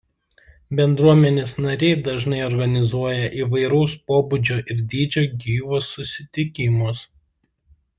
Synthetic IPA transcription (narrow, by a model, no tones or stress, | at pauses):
bʲɛnd̪ɾuɔmʲɛnʲeːsnɐɾʲɛɪd̪ɐʒnɐɪɔɾɡɐnʲɪzuɔjɛʔiːʋɐɪɾɐʊspoːbʊd͡ʒʲoʔɪɾʲd̪ʲiːd͡ʒʲoːɡʲiːʋoːsːʊsʲɪt̪ʲɪkʲɪmos